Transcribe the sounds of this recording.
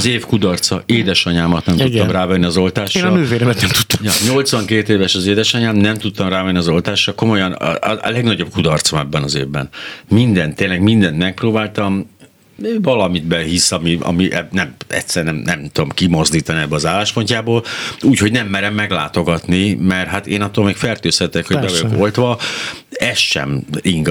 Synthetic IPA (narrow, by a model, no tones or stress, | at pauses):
zeːfkud̪ɒrt̪sɒeːd̪ɛʃɒɲaːmɒt̪nɛmt̪ut̪ːɒmraːvɛnːiɒzo̞lt̪aːʃːnɒmyːveːlɛmɛt̪nɛmt̪u̥t̪ːɒmjɒɲo̞lt̪sʋɒŋkeːt̪eːvɛʃɒzeːd̪ɛʃɒɲaːmnɛmt̪ut̪ːɒmraːvɛnːiɒzo̞lt̪aːʃrɒko̞mo̞jɒnɒ̰lɛɡnɒɟo̞b̚kud̪ɒrt̪somɛbːɛnɒzḛːvbɛ̰nmind̪ɛnt̪ːeːnlɛɡmind̪ɛnt̪mɛk̚proːbaːlt̪ɒm | vɒlɒmid̪bɛɦisɒmiɒ̰miʔɛnɛmɛ̰tsɛrnɛmnɛmt̪ud̪omkimo̞zd̪iːt̪ɒniɛbːølɒzaːlːaːʃpo̞ɲcaːboːluːcho̞ɟnɛmːɛɾɛmːɛɡla̰ːt̪o̞ɡɒt̪nimɛrɦat̪ḛːnɒt̪ːolmeːkfɛrt̪øːsɛt̪ːɛkho̞ɟbɛvɒjoko̞lt̪ʋɒ | ɛst̪ʃɛ̰miŋɡ